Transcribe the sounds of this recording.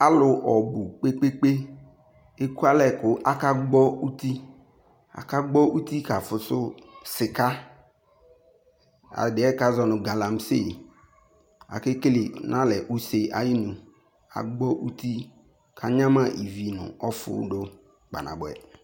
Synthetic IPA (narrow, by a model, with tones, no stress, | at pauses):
a˦lʊ˨ʔɔ˨bʊ˨k͡pe˦k͡pe˦k͡pe˦ | e˦ku˦a˦lɛ˦˨kʊ˨ʔa˦ka˦ɡ͡bɔ˦u˦t̪i˦ | a̰˨ka˦ɡ͡bɔ˦ʔu˦ti˦ka˨fʊ˨sʊ˦sɪ˨ka˦ | a̰˨dɪ˨˦ɛ˦ka˦zɔ˨nʊ̃˨ɡa˨la˨m˦sḛ˦˨ | a̰˨ke˦kli˨nʔã˦lɛ˨ʔu˦se˨ʔa̰˨jɪ˦nũ˨ | a̰˨ɡ͡bɔ˦ʔu˦t̪i˦ | kʰa˨ɲã˦mã˦ʔi˨vi˨nʊ̰̃˨ɔ˦fʊ̰˨˦do˦ | k͡pa̰˨na̰˨ɡ͡bʊ˨ɛ̰˨